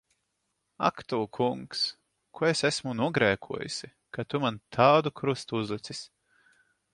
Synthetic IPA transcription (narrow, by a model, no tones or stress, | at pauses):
a̰kt̪ukʰuŋks | kʰuesæsmunuɔɡɾɛːkʰuɔjṵsʲi | kat̪umant̪ʰaːd̪ukɾust̪uuzlˠɨt̪sis